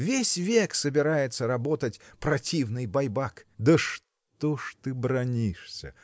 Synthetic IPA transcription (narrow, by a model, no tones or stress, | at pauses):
vʲesʲvʲeksəbʲɪɾajɪt̪səɾɐbo̞t̪ətʲpɾɐtʲivnɨjbɐjbakd̪əʂ | t̪oʂt̪ɨbɾɐnʲiʂsʲə